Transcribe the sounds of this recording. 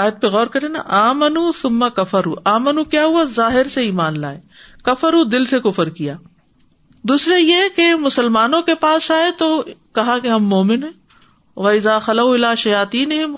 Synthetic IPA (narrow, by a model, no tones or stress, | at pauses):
aːjət̪̚peɣɔːɾkɐɾẽna̰ʔaːmɐnuːθʊmːɐkɐfɐɾuːʔaːmɐnukjaːɦʊazaːɦɪɾseiːmaːnla̰ːe | kɐfɐɾuːd̪ɪlsekʊfəɾkijaː | d̪uːsɾejekemʊsəlmaːnõkepaːsaːet̪okɐɦakeɦɐmːoːmɪnɦɛ̃ː | ʋɐɪzaːxɐlɐuɪlaːʃɐjaːt̪iːnɪɦɪm